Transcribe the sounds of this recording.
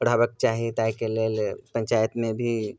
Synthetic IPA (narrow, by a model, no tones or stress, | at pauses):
əɽʱaːbək̚t͡ʃaːɦiet̪aːkeleːlpə̃ɲʲt͡ʃaːjət̪mẽbʱi